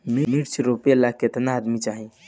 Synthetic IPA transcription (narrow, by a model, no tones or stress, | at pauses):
mimiɾt͡ʃʰɾopelaket̪naːd̪mit͡ʃaɦĩ